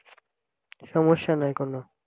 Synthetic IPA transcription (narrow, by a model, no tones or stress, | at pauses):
ʃɔmoʃːanɔjkono